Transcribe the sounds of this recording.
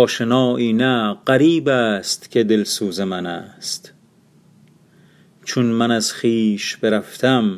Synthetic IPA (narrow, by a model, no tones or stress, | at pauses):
ɔːʃenɒːʔiːnæɢæɾiːbæːst̪kʰe̞d̪elsuːzemænæst̪ | t͡ʃʰunmænæzχiːʃb̥eɾæft̪ʰæm